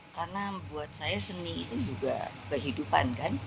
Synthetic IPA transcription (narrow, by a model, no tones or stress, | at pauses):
karnabuat̪̚sajasəniit̪ud͡ʒuɡa̰kəɦidupa̰nkan